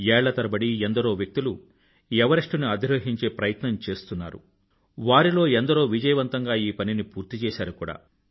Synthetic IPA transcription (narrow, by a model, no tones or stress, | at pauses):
ɛːɭːɐt̪ɐɾɐbɐɽiɛnd̪ɐɾo̞ːʋjɐk̚t̪ilu | jɛʋɐɾɐʂʈunuɐd̪iɾɐːɦiɲt͡ʃe̞ːpɾɐjɐt̪nɐmt͡ʃe̞ːst̪unːa̰ːɾṵ | ʋaːɾilo̞ːɛnd̪ɐɾo̞ːʋid͡ʒɐjɐʋɐnt̪ɐŋɡaːiːpɐninipuːɾt̪it͡ʃɛːsaːɾukuːɽa̰ː